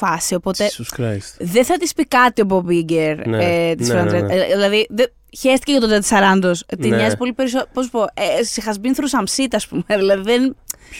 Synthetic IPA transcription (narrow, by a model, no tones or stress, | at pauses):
fɐsio̞po̞t̪eɾsðeθɐt̪ispikɐt̪iobobiɟeɾet̪isɾɐnd̪ɾeðilɐðiðe | çest̪iceʝɐt̪ot̪et̪isɐɾɐnd̪ost̪iɲɐzipo̞lipe̞ɾis̬opossupoesixɐzbinθɾusɐmsit̪iɐspumeðilɐðiðen